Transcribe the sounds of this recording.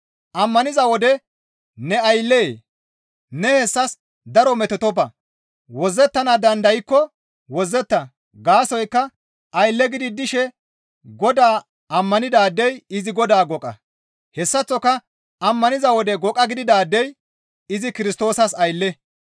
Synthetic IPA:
ʔɐmːɐnɪzɐwɔd̪ɛ | nɛɐjlːeː | nɛhɛsːɐs | d̪ɐɾɔmɛt̪ɛt̪ɔbɐ | wɔzːɛt̪ːɐnad̪ɐnd̪ɐjkːɔ | wɔzːɛt̪ːɐ | ɡaːsɔjkːɐ | ɐjlːɛɡɪd̪ɪd̪ɪʃɛ | ɡɔd̪aː | ɐmːɐnɪd̪aːd̪ːɛjɪzɪɡɔd̪aːɡɔkʼːɐ̰ | hɛsːɐt͡sːɔkːɐ | ɐmːɐnɪzɐwɔd̪ɛɡɔkʼːɐɡɪd̪ɪd̪aːd̪ːɛj | ɪzɪkɪɾɪst̪o̞ːsɐsɐjlːɛ

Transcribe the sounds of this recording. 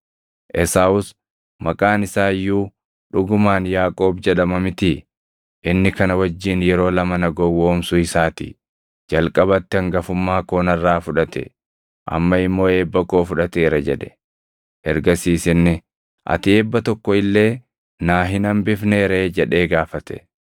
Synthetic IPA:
ʔɛsaʊs | mɐkʼaːnɪsaːjːuː | ᶑʊɡʊmaːnjaːkʼo̞ːbd͡ʒɛɗɐmɐmɪt̪ɪ | ʔɪnːɪkɐnɐwɐd͡ʒːiːnjɛɾo̞ːlɐmɐnɐɡɔwoːmsʊɪsaːt̪ɪ̰ | d͡ʒɐlkʼɐbɐt̪ːɛɐŋɡɐfʊmːaːkonɐrːaːfʊᶑɐt̪ɛ̰ | ʔɐ̰mːɐɪmːo̞ːe̞ːbːɐkoːfʊᶑɐt̪eːɾɐd͡ʒɛᶑɛ̥ | hɛ̰ɾɡɐsiːsɪnːɪ | ʔɐ̰t̪ɪeːbːɐt̪ɔkːɔɪlːe̞ː | naːɦɪnɐmbɪfne̞ːɾe̞ːd͡ʒɛᶑe̞ːɡaːfɐt̪ɛ̥̰

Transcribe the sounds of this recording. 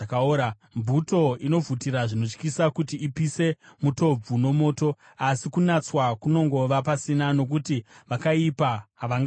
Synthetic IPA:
kaoɾa | mbuto̞ino̞vʱutiɾaʐino̞t͡ʃkisakutiːpise̞muto̞b͡vuno̞mo̞ːto̞ | asikunat͡swakuno̞ŋɡo̞ʋapasinano̞k̬utiʋakaipaɦaʋaŋɡa

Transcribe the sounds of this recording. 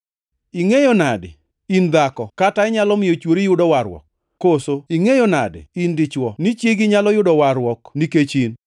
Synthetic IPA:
iŋejonadɪ̰ | ind̪akɔkataɛɲalɔmɪjot͡ʃwoɾijʊdɔwaɾwɔ̰kː | osoiŋejonadɪ̰indɪt͡ʃwɔnit͡ʃjeɡɪɲalɔjʊdɔwaɾwɔkniket͡ʃin

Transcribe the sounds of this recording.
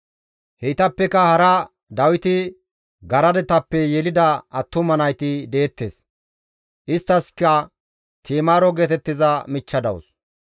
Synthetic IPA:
hɛjt̪ɐpːɛkɐhɐɾɐ | d̪ɐwɪt̪ɪ | ɡɐɾɐd̪ɛt̪ɐpːɛjɛlɪd̪ɐɐt̪ːʊmɐnɐjt̪ɪd̪e̞ːt̪ːeːs | ʔɪst̪ːɐskɐ | t̪ʰiːmaːɾɔɡeːt̪ɛt̪ːɪzɐmɪt͡ʃːɐd̪ɐ̰wʊ̰s

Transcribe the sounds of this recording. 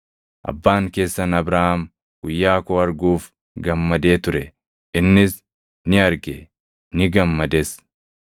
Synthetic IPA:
ʔɐ̰bːaːŋke̞ːsːɐnɐbɾaːhɐm | ɡ̥ʊjːaːkoːɐɾɡuːf | ɡɐmːɐd̪e̞ːt̪ʊɾɛ | ɪnːɪs | nɪɐɾɡe | nɪɡɐmːɐd̪es

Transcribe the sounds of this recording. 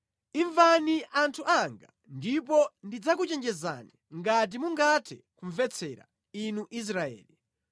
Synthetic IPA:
iɱvaniʔantʰuʔaŋɡa | ndip̬ɔndid͡zak̬ut͡ʃɛnd͡ʒɛza̰niŋɡat̬imuŋɡatʰɛkuɱvɛt͡sʰɛɾa̰ | inuʔis̬ɾaɛ̰ːli

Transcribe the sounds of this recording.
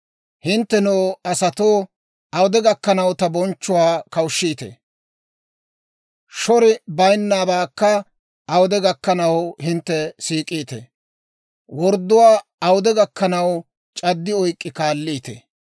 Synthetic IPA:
hɪnt̪ːɛnoːɐsɐt̪oː | ɐwʊd̪ɛɡɐkːɐnɐwt̪ɐbɔnt͡ʃːʊwaːkɐwʊʃːiːt̪ḛ | ʃɔɾɪbɐjnːaːbaːkːɐ | ʔɐwʊd̪ɛɡɐkːɐnɐwhɪnt̪ːɛsiːkʼːiːt̪ḛ | wɔɾd̪ːʊwaːɐwʊd̪ɛɡɐkːɐnɐw | t͡ʃʼɐd̪ːɪɔjkʼːɪkaːlːiːt̪ḛ

